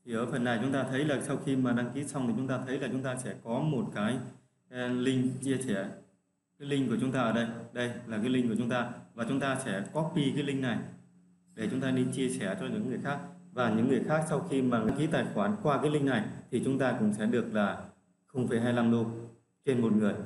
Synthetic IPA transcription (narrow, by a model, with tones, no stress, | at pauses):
t̪ʰi˨˩ʔəː˧˩fə˨˩nːa˨˩jt͡ɕʊ˨˦ŋ͡mt̪aː˧t̪ʰə˨˦jlaː˨˩sa˧wxi˧maː˨˩ɗa˧ŋki˨˦sa˧wŋ͡mt̪ʰi˨˩t͡ɕʊ˨˦ŋ͡mt̪aː˧t̪ʰə˨˦jlaː˨˩t͡ɕʊ˨˦ŋ͡mt̪aː˧sɛ̰˧˥˩kɔ˨˦mo˨˩t̚kaː˨˦j | lï˧ŋ̟t͡ɕi˧əsɛ˧˩ | kaː˨˦jlï˧ŋ̟ku˧˩ət͡ɕʊ˨˦ŋ͡mt̪aː˧ʔəː˧˩ɗə˧jɗə˧jlaː˨˩kaː˨˦lï˧ŋ̟ku˧˩ət͡ɕʊ˨˦ŋ͡mt̪aː˧vaː˨˩t͡ɕʊ˨˦ŋ͡mt̪aː˧sɛ̰˧˥˩kɔ˦˥ɓi˧kaː˨˦jlï˧ŋ̟na˨˩j | ɗe˧˩t͡ɕʊ˨˦ŋ͡mt̪aː˧ɗi˧nt͡ɕi˧əsɛ˧˩t͡ɕɔ˧ɲɨ̰˧˥ŋɨ˨˩əjxaː˦˥k̚vaː˨˩ɲɨ̰˧˥ŋːɨ˨˩əjxaː˦˥k̚sa˧wxi˧maː˨˩ŋa˨˧ŋki˨˦t̪aː˨˩jxwaː˨˧˩nkwaː˧kaː˨˦jlï˧ŋ̟na˨˩jt̪ʰi˨˩t͡ɕʊ˨˦ŋ͡mt̪aː˧kʊ̰˧˥ŋ͡msɛ̰˧˥ɗɨ˨˩ək̚laː˨˩ | xə˧wŋ͡mfa˧˩ɦaː˧jla˧mɗo˧ | t͡ɕe˧nmo˨˩t̚ŋɨ˨˩əj